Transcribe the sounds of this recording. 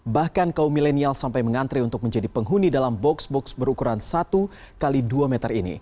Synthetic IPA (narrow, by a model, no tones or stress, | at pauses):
bahkankaumilenialsampajməŋant̪ɾiunt̪ʊk̚məɲd͡ʒadipəŋɦunidalambɔksbɔksbəɾukuɾansat̪u | kaliduamɛt̪ərinḭ